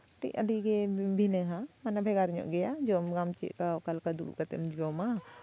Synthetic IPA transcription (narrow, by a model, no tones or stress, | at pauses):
ʈḭʔɐɖikebʱineɦãmanabʱeɡaɾɲɔ̰ʔɡɐjad͡ʒomɡamt͡ʃḭʔkakalkad̪uɾṵkɐt̪ḛmd͡ʒoma